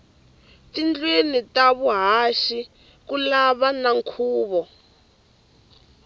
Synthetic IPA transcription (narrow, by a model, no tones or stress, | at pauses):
tind͡ɮwenitaβuɦaʃi | kulaβanaŋkʰuːβɔ